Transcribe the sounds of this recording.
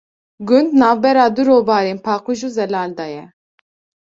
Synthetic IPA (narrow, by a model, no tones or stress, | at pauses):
ɡʊnd̪nɑːvbɛɾɑːd̪uɾoːvɑːɾeːnpʰɑːquʒuːzɛlɑːld̪ɑːjɛ